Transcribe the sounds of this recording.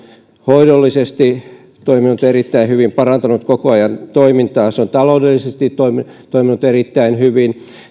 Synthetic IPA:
hoidolːisest̪i | t̪oiminut̪eɾit̪ːæihyʋimpɑrɑnt̪ɑnut̪kokoɑjɑnt̪oimint̪ɑːseont̪ɑloudelːisest̪it̪oimit̪oiminut̪erit̪ːæinhyʋin

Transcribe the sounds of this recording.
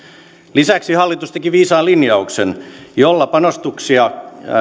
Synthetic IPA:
lisæksihɑlːit̪ust̪ekiʋiːsɑːlinjɑuksenjolːɑpɑnost̪uksiɑ

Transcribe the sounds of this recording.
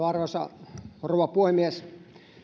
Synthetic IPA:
ɑrʋɑsɑ̰rouʋɑpuhimies

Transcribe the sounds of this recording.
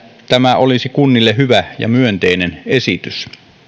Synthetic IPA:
t̪æmæolisikunːilːeɦyʋæjɑ̰myønt̪einenesit̪ys

